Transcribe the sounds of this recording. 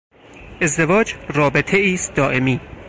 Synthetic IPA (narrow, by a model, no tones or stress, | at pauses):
ʔe̞zd̪e̞vɒːd͡ʒrɒːbet̪ʰeiːst̪̚d̪ɒːʔemiː